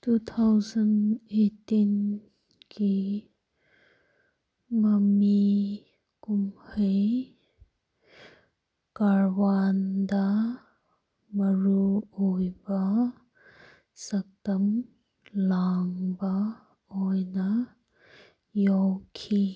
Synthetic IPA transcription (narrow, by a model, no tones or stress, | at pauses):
tut̪ʰawzɐnetːin | kʰi | mɐmi | kumhəj | kaɹwand̪a | mɐɹuojba | sɐk̚tɐm | laŋba | ojna | jɔwkʰi